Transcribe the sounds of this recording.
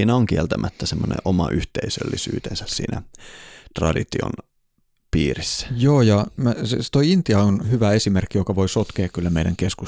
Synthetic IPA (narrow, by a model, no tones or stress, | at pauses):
iːnæoŋkielt̪æmʔæt̪ːæsemːonḛ̃ʔomɑʔyht̪eisø̰lːisy̰ːt̪ensæssḭːnæt̪rɑ̰dit̪io̰n | piːrisːæ̥joːjɑmæsest̪oiint̪iɑonhyʋæesimerkːijokɑʋo̞isot̪keːkkylːæmeidæŋkesku